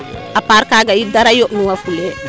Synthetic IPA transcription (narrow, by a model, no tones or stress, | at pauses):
apaɾkaɡaidaɾajonũŋafule